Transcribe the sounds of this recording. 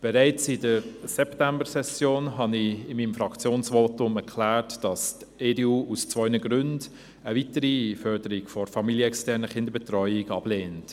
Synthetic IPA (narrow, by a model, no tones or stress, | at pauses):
b̥ɛɾæɪt͡sɪdəɾsɛptɛmbəsɛsjoːnɦɑnɪɪmːiːmfɾɑkt͡sjoːnsʋoːtʊmɛɾkʰlæːɹtd̥ɑst | eːdeuːust͡svœʏnəɡɾʏnd | əvitəɾifœɾd̥əɾiɡfɔɾfɑmiljəɛkstɛɾnəχɪndəɾbɛtrɔʏɪɡɑb̥leːnt